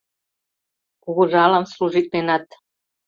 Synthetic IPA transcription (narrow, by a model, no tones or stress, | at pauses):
uɡoʒalamsluʒit̪̚menat̪